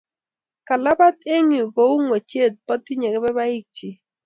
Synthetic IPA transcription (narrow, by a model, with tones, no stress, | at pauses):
ka˨la˦ba˦t̪e˦ŋi˨ɡo˨˦u˦ŋwo˨t͡ʃe˦˨d̪̚pɔ˦t̪i˦ɲe˨ɡɪ˦bɛ˦ba˦ɪ˦k̚t͡ʃi˨